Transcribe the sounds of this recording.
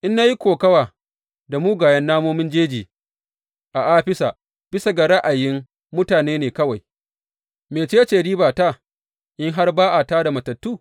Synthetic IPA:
ʔɪ˦nːa˦ji˦kʷoː˨kɐ˦waː˨ | da˨muː˦ɡaː˨jɐ˦nːaː˦moː˦mɪ˦nd͡ʒeː˦d͡ʒiː˨ | ʔa˨ʔaː˦ɸɪ˦sa˨ | b̥ɪ˦sa˨ɡa˨ɽɐ˦ʔa˨jɪ˦ŋ | mʊ˦taː˨neː˦neː˨kɐ˦wa˨j | meː˨t͡ʃeː˦a˦t͡ʃeː˨ɽiː˦baː˨ta˦˨ | ʔɪ˦ŋɦa˦rbaː˦ʔa˨ta˦da˨mɐ˨tɐ˨tːuː˦

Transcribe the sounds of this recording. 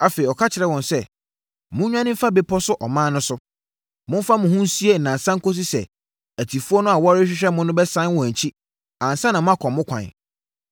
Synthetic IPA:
a˨fe˨i˨ɔ˨kʰa˦t͡ɕʰɪ˨ɾɛ˦wɔ̃˨nsɛ˦˨ | mʊ̃˦ɲᶣã˦nɪ̃˦fa˦be˦pʰɔ˦sʊ˦ʔɔ˨mãː˦nʊ̃˦sʊ˦ | mʊ̃˦m˦fa˦mʊ̃˨hũ˦n˦si˦e˦n̩˨nã˨sã˦ŋ̩˦ko˦s̬i˦sɛ̰˨ | æ˨tʰi˨fu˦ɔ˦nʊ̃˦a˨wɔ˦ɾɪ˦ɕᶣɪ˦ɕᶣɛ˦mʊ̃˦nʊ̃˦bɛ˦sã˦n˦wɔ̃˨æ̃˨ɲ˨t͡ɕʰi˦ | ã˨n˨sã˦nã˨mʊ̃˦a˨kʰɔ̃˨mːʊ̃˦kʰʷã̰˨n˨

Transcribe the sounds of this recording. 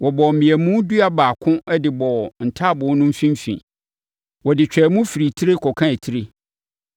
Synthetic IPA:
wɔ˨bɔ˨m̩˨mĩ˨æ˨mũ˦du˦a˦baː˨kʰʊ̃˦ɛ˦dɪ˨bɔ˨n̩˨tʰa˦˨bʊ̃˨˦nʊ̃˦m̩˦fĩ˦m˦fḭ̃˨ | wɔ˨dɪ˨t͡ɕᶣɛ˨˦mũ˦fi˨ɾi˨tʰi˦ɾe˦kʰɔ˨kʰã˦e˨tʰi˦ɾe˦

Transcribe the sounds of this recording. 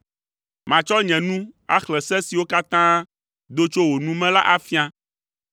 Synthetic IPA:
mã˨t͡ʃɔ˦ɲɛ̃˨nũ˦a̰˦xlɛ˨sɛ̃˦si˨wo˦ka˦t̪ã˦ | d̪o˦t͡ʃo˦wo˨nũ˦mɛ̃˦la̰˦ʔa˦fi˦a˦

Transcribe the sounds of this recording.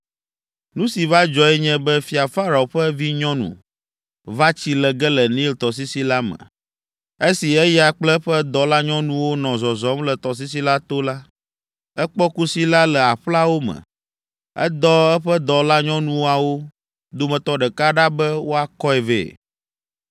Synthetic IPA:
nũ˦si˨va˦d͡ʒɔ˨ɛ˦ɲɛ̃˦bɛ˦fi˨a˨fa˦ɾa˨o˨ɸɛ˦vi˦ɲɔ̃˦nṵ̃˨ | va˦t͡ɕi˦lɛ˨ɡɛ˦lɛ˨nĩ˦lt̪ɔ˨s̬i˦si˦la˦mɛ̰̃˨ | e˦si˨ɛ˦ja˨k͡plɛ˦ɸɛ˦d̪ɔ˨la˦ɲɔ̃˦nũ˦wo˦nɔ̃˨zɔ˨zɔ˨˦mlɛ˨t̪ɔ˨s̬i˦s̬i˦la˦t̪o˦la˦ | ɛ˦k͡pɔ˦ku˦si˦la˦lɛ˨a˨ɸla˦wo˦mɛ̰̃˨ | ɛ̰˦d̪ɔ˦ɛ˦ɸɛ˦d̪ɔ˨la˦ɲɔ̃˦nũ˦wa˨wo˦ | d̪o˦mɛ̃˨t̪ɔ˦ɖɛ˨ka˦ɖa˦bɛ˦wo˦a˨kɔ˦ɛ˨vḛː˨

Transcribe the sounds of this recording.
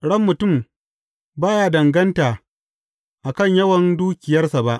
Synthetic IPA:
ɽɐ˦mːʊ˨tʊ˦˨m | baː˦jaː˨dɐ˨ŋɡɐ˦ntaː˨ | ʔa˨kɐ˦ɲjɐ˦wɐ˨nduː˦kʲɪ˨jɐ˦rsa˨ba˦ʔ

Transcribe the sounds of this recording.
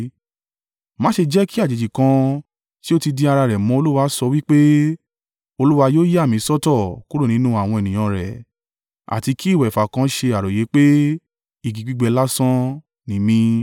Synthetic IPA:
mã˨˦ʃe˧d͡ʒɛ˦ki˦a˦˨d͡ʒe˨d͡ʒi˨kã˧ | ti˦o˦ti˧di˧a˧ɾa˧ɾɛ˨mɔ̃˨˧˦o˧lu˦wa˧˦sɔ˧wi˦k͡pe˦ | o˧lu˦wa˧joː˦je˦a˦˨mĩ˨˦sɔ˦tɔ˦˨ku˦ɾu˦˨nĩ˨˦nũ˦a˦˨w̃ɔ̃˧ɛ˨nĩ˨j̃ã˧ɾɛ̰˨ | a̰˨ti˧ki˦˨wɛ˨fa˨kã˧˦ʃe˧a˨ɾo˨je˨˦k͡pe˦ | i˦˨ɡi˨˧ɡ͡bi˦ɡ͡bɛ˧la˦sã˦ | nĩ˨˧˦mĩ˧

